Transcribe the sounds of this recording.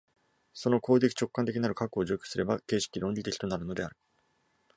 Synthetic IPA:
so̞no̞koːɡ̪ekʲi̥t͡ɕo̞kːant̪ekʲiɲinaɾɯ̟kakɯːʑo̞ːkʲosɨɾe̞bake̞ːɕi̥kʲiɾõ̞ɲʲit̪ekʲi̥t̪o̞naɾɯ̟no̞d̪e̞aɾɯ̟

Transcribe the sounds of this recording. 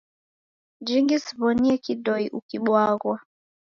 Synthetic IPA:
d͡ʒiŋɡisi̥βɔniɛkidɔiʔukiɓwaɣwa

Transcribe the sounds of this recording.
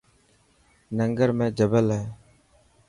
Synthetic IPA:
nəŋɡəɾmẽːd͡ʒəbəlɦɛː

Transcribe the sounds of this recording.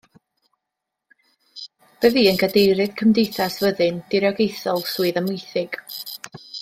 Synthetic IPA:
b̥əðiːənɡadejɾɨd̥kʰəmdejθasvəðɨnd̥ɪɾjɔɡejθɔlˠsuːɨðəmʊjθɪɡ̥

